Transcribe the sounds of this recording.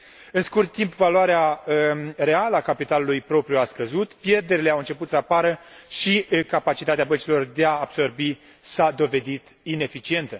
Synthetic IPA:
ɨnskurt̪ːimpvaloaɾea | re̞aləakapit̪alulujpɾo̞pɾijuaskəzut̪pje̞rd̪e̞ɾile̞awɨnt͡ʃe̞put̪səapaɾəʃikapat͡ʃit̪at̪eabənt͡ʃilo̞rd̪e̞aːb̥so̞rbi | sad̪o̞ve̞d̪it̪ | ine̞fit͡ʃie̞nt̪ə

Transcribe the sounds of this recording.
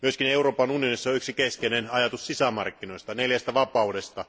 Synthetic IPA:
myøskineuroːpɑnunijo̞nisːɑyksikeskenenɑjɑt̪ussisæmɑ̰rkːino̞ist̪ɑneljæst̪æʋɑpɑudest̪ɑ

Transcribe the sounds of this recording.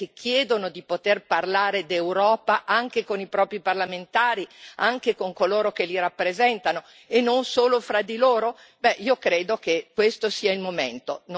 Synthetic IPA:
kek̟ːjɛːd̪onod̪ipot̪erparlaːɾed̪ewɾɔːpaʔaŋk̟ekonipɾɔːpɾiparlament̪aːɾiaŋkekoŋkoloːɾokeliɾapːɾezɛnt̪ano | enːonsoːlofɾad̪iloːɾo | bɛʔiːokɾeːd̪okekːwest̪osiːailmoment̪on

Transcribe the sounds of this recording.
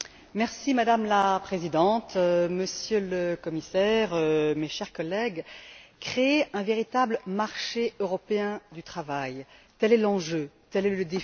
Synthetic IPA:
mɛʁsimad̪amlapχezid̪ɑ̃t̪məsjøləkɔmisɛʁømeʃɛʁkɔlːɛɡkχeːɛ̃veʁit̪abləmaʁʃeøʁɔpeɛ̃d̪yt̪χavajt̪ɛlɛlɑ̃ʒøt̪ɛlɛləd̪e

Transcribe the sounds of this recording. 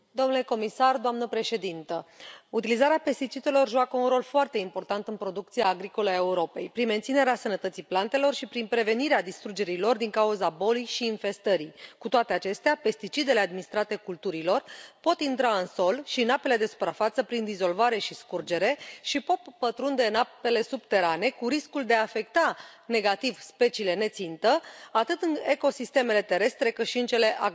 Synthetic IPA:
d̪o̞mnule̞ko̞misard̪oamnəpɾe̞ʃe̞d̪int̪əut̪ilizaɾeape̞st̪it͡ʃid̪e̞lo̞rʒuakəunɾo̞lfoart̪e̞impo̞rt̪ant̪ɨnpɾo̞d̪ukt̪sijaːɡɾiko̞ləae̞uɾo̞pe̞̰jpɾinme̞nt̪sine̞ɾeasənət̪ət̪siplant̪e̞lo̞rʃipɾinpɾe̞ve̞niɾead̪ist̪ɾud͡ʒe̞ɾilo̞rd̪iŋkauzabo̞lijʃiːnfe̞st̪əɾijkut̪oat̪e̞at͡ʃe̞st̪eape̞st̪it͡ʃid̪e̞le̞ad̪minist̪ɾat̪e̞kult̪uɾilo̞rpo̞t̪int̪ɾaɨnso̞lʃinape̞le̞d̪e̞su̥pɾafat̪səpɾind̪izo̞lvaɾe̞ʃiskurd͡ʒe̞ɾe̞ʃipot̪̚pət̪ɾund̪e̞nape̞le̞sub̚t̪e̞ɾane̞kuɾiskuld̪eaːfe̞kt̪ane̞ɡat̪ivspe̞t͡ʃiːle̞ne̞t̪sint̪əat̪ɨt̪ɨne̞ko̞sist̪e̞me̞le̞t̪e̞ɾe̞st̪ɾe̞kɨt̪ʃiɨnt͡ʃe̞le̞ʔa

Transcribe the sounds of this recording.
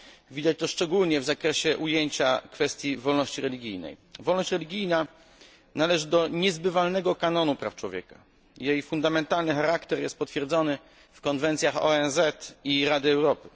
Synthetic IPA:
vʲid̪at͡ɕt̪ɔʂt͡ʂɛɡulɲɛvzakɾɛɕɛʔujeɲt͡ɕakfɛst̪ʲjivɔlnɔɕt͡ɕiɾɛlʲiɡʲijnɛ̰jvɔlnɔɕt͡ɕɾɛlʲiɡʲijna | nalɛʐɘd̪ɔɲɛzbɘvalnɛɡɔkanɔnupɾa̰ft͡ʂwɔvʲjɛ̰ka | jejfund̪amɛnt̪alnɘxaɾakt̪ɛɾjɛst̪̚pɔt̪fʲjɛɾd̪zɔnɘ | fkɔnvɛnt̪sʲjaxɔ̰ɛnzɛt̪iɾad̪ɘɛwɾɔpɘ̥

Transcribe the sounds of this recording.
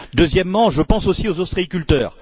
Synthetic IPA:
d̪øzjɛmːɑ̃ʒəpɑ̃sosiozost̪χiikʲylt̪œːʁ

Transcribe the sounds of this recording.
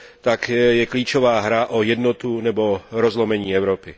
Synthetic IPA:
t̪akjɛkliːt͡ʃovaːɦɾaʔojɛd̪not̪unɛboɾɔzlomɛɲiːɛwɾopɪ

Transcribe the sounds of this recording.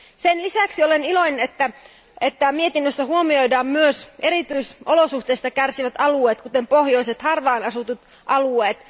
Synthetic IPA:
senlisæksio̞lenilo̞jnenet̪ːæ | et̪ːæmie̞t̪inːøsːæhuomio̞jdɑːmmyøse̞ɾit̪yjso̞losuht̪eːst̪ɑkærsiʋæt̪ɑlue̞ːt̪kut̪empohjo̞iset̪hɑrʋɑːnɑsut̪ut̪ | ʔɑlue̞ːt̪

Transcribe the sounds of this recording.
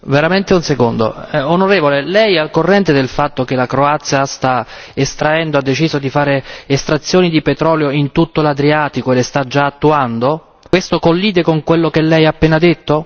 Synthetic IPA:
veɾament̪eunsekond̪o̰ɛonoɾeːvolelɛjɛalkorːɛnt̪ed̪elfat̪ːok̟elakɾoat̪sːjast̪a | est̪ɾaɛnd̪oad̪ːet͡ʃiːzod̪ifaːɾeːst̪ɾat̪sːjoːnid̪ipet̪ɾɔːljoint̪ut̪ːolad̪ɾiaːt̪ikoelest̪ad͡ʒaːt̪ːuand̪o | kwest̪okolːiːd̪ekoŋkwelːokelːɛjaːpːɛːnad̪et̪ːo

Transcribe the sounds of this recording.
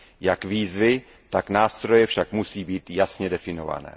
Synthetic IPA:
jakviːzvɪ | t̪aknaːst̪ɾo̞jɛfʃakmusiːbiːt̪jasɲɛdɛfɪno̞va̰nɛ̰ː

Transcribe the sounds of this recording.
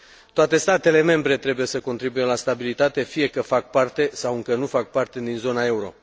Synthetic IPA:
t̪oat̪e̞st̪at̪e̞le̞me̞mbɾe̞t̪ɾe̞buje̞səko̞nt̪ɾibuje̞last̪abilit̪at̪e̞fije̞kəfak̚part̪e̞sawɨŋkənufak̚part̪e̞d̪inzo̞nae̞uɾo̞̰

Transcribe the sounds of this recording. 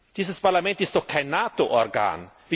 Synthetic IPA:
d̥iːzəspaʁlamɛntɪst̚ɔχkʰːajnːaːtoʔɔɾɡa̰ːn | vi

